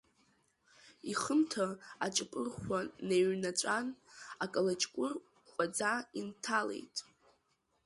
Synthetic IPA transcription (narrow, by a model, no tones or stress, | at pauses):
iχəmtʰaat͡ʃʼɨpʼɨrχʷaneɥnat͡ʃʷʼanakʼalat͡ʃʼkʷʼʊr | χʷʼad͡zaintʰalḛjtʼ